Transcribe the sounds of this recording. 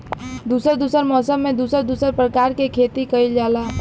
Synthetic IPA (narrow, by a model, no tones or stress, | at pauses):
d̪uːsəɾd̪uːsəɾmɔːsəmːẽd̪uːsəɾd̪uːsəɾpɾəkaːɾkekʰeːt̪ikɐild͡ʒaːlaː